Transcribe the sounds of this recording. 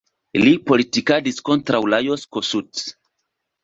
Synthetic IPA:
lipo̞litikadisko̞ntɾawlajoskosut͡s

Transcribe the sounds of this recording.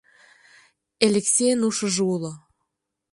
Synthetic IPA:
elʲeksʲejnuʃə̆ʒulo

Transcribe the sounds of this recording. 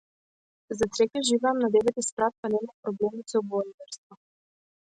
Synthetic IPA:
zat̪sɾɛkʲɛʒivaːmnad̪ɛvɛt̪ispɾat̪̚panɛmapɾoblɛmit̪sɔbɔlid̪ɛɾst̪vɔ

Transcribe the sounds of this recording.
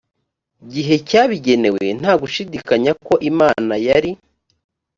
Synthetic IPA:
ɟiɦe̞caːβiɟe̞ne̞we̞̰n̥haːɡuʃidikaɲako̞ʔimaːnajaɾi

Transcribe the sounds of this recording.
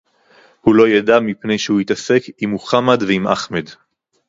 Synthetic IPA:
hulo̞jadamipne̞jʃehuitase̞kimhuχamad̪veimʔa̰χmed̪

